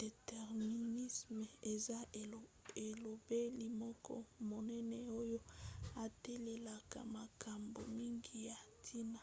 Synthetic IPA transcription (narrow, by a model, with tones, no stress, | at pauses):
d̥e˨tɛ˨ʁmi˨ni˦sm˨e˨za˦ | e˨lo˨be˦li˨mɔ˦kʰɔ̰˦mo˨nɛ˦nɛ˨o˦jo˦a˨tɛ˦le˨la˨ka̰˨ma˨ka˨mbo˨mi˦ŋɡi˦ja˨tʰi˦na˨